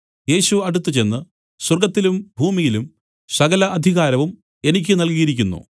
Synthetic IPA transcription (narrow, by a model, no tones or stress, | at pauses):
je̞ːɕuɐɽut̪ːɨt͡ɕe̞nːɨ | swɐrɡɐt̪ːilumbʱuːmijilum | sɐɣɐlɐʔɐd̪ʱiɣaːɾɐʋum | e̞nik̬ʲːɨnɐlkijiɾikʲːunːṵ